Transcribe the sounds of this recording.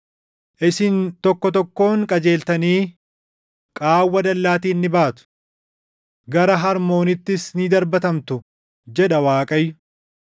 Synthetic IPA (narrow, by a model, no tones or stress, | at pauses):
ʔɪsɪnt̪ɔkːɔt̪ɔkːo̞ːŋkʼɐd͡ʒe̞ːlt̪ɐniː | kʼaːwːɐd̪ɐlːaːt̪iːnːɪbaːt̪ʊ̥ | ɡɐɾɐɦɐɾmo̞ːnɪt̪ːɪsnɪd̪ɐɾbɐt̪ɐmt̪ʊ | d͡ʒɛᶑɐwaːkʼɐjːʊ